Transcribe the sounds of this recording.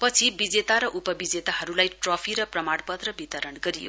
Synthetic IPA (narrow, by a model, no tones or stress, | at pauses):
pʌt͡sʰibid͡zet̪aɾʌʔupʌbid͡zet̪aɦʌɾulajʈropʰiɾʌprʌmaɽpʌt̪rʌbit̪ʌɾʌnɡʌɾijo̰